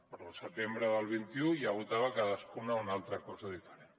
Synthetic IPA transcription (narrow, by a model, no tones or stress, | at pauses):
pəɾəlˠsət̪embɾəðəlˠβ̞int̪iujaβut̪aβakaðəskunaunalˠt̪ɾakɔzaðifəɾen